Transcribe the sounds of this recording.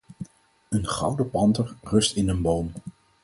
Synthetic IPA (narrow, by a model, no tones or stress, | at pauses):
ənχɑ̰wdəpɑntəɹrɵstɪnənbowm